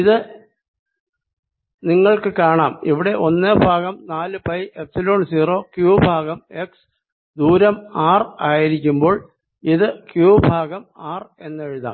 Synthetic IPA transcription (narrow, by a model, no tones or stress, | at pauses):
iðɨ | niŋːɐɭkɨkaːɳaːmiʋiɽe̞ʔo̞nːɨbʱaːɣɐmnaːlɨpɐjepsilo̞ːɳsiːro̞ːkjuːbʱaːɣɐme̞ks | d̪uːɾɐmaːraːjiɾikʲːumbo̞ːɭ | iðɨkjuːbʱaːɡɐmaːre̞nːe̞ɻuða̰ːm